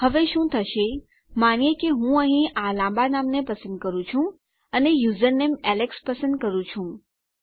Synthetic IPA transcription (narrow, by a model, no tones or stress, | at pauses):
həʋeʃũt̪ʰəʃe | manjekeɦũəɦĩalãmbanamnepəsənd̪̚kəɾũt͡ʃʰũ | ənejuzəɾnemɛlekspəsənd̪̚kəɾũt͡ʃʰũ